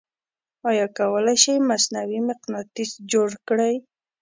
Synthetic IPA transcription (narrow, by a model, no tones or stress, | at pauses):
ɑjɑkawəlajʃajmasnawimɪqnɑt̪isd͡ʒoɽkɽaj